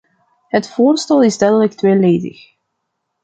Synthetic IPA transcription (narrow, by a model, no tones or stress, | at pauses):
ɦətfoːrstɛlˠɪzdɛɹdələk̚tʋeːleːdɪ̰x